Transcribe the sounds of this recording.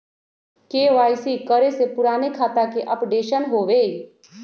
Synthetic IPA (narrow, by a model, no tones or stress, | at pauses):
keʋaːjsikəɾesepʊɾaːnekʰaːt̪akeʔəpɖeːʃənɦoʋe